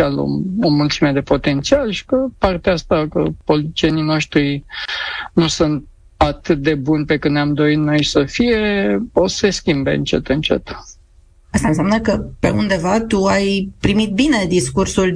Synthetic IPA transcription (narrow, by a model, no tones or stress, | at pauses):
alo̰omult̪sime̞d̪e̞po̞t̪e̞nt̪sialʃi̥kəpart̪east̪akə̰po̞lit̪it͡ʃienino̞ʃt̪ɾi | nusunt̪̚ | at̪ɨt̪̚d̪e̞bunʲpe̞kɨnnʲamd̪o̞it̪no̞jsəfije̞o̞se̞skʲimbe̞̰ɨ̰nt͡ʃe̞̰t̪ɨnt͡ʃe̞̰t̪ | ast̪ansamnəkəpe̞̰ṵnd̪e̞vat̪uajpɾimit̪̚bine̞d̪iskursul